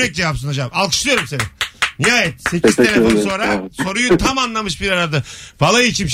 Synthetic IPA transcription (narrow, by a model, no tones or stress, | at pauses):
ɛc̚d͡ʒevapsɯnad͡ʒamalˠkʰɯ̥ʃlˠɯjo̞ɾumseniniaːjɛt̪secizʰenɛbonso̞ɾaso̞ɾujut̪ʰamanlˠamɯʃbiɾaɾad̪ɯbalˠajit͡ʃʰimʃ